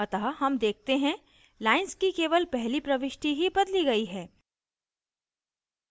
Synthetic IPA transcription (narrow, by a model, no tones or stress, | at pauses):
ɐt̪aɦaɦɐmd̪eːk̚ʰt̪eɦɛ̃ | laːɪnskikeːʋəlpɛɦlipɾɐʋɪʃʈʰiɦibɐd̪liɡɐiɦɛː